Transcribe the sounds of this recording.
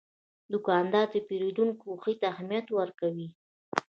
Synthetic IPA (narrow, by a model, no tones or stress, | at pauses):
d̪ʊkɑnd̪ɑd̪əpeɾid̪uŋkuxit̪aːhmijat̪wəɾkawi